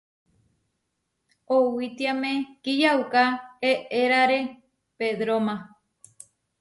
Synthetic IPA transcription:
owit̪iamẽkijaukaeʔeɾaɾe | ped̪ɾomã

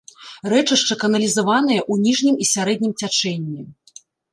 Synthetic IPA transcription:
rɛt͡ʂɨʂt͡ʂɐkɐnɐlʲizavan̪ɨjɐʔunʲiʐnʲimisʲaɾɛd̪̚ʲnʲimt͡sʲat͡ʂɛnʲːi

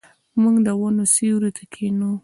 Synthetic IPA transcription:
muŋɡd̪əwanosiwɾut̪ʰakʰenu

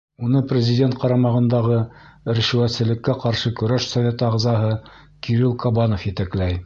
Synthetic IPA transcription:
unɤprʲɪzʲɪdʲent̪̚qɑɾɑmɑʁɤ̆nd̪ɑʁɤɘ̆ɾɘ̆ʃɘ̆wæt̪sɘ̆lɘ̆kːæqɑɾʃɤkɵ̆ɾæʃsɐvʲe̞t̪ɤɑʁzɑɦɤ | kiɾilˠkobɑnŏfjɘt̪æklæj

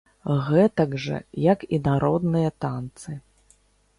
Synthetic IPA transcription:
ɣɛt̪ɐɡʐɐ̰jɐkinaɾɔd̪nɨjɐt̪ant̪sɨ

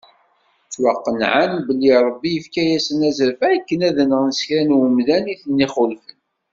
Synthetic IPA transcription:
t͡sːwɑqːənʕanbəlːiɾˤəbːiəfkæjæsənæzəɾfæːkːənæðənʁənsə̥çɾænwəmðæniθənːiχʊlfən

